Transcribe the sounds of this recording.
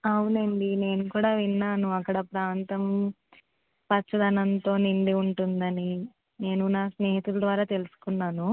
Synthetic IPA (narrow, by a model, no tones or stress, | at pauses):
ɐwuneɳɖine̞ːnukuːɽaːʋinːaːnuɐkːɐɽɐpɾaːnt̪ɐm | pɐt͡ʃːɐd̪ʱɐnɐnt̪o̞ːniɳɖiuɳʈund̪ɐni | ne̞ːnunasne̞ːɦit̪ulɐd̪ʋaːɾaːt̪e̞lusu̥kunːaːnu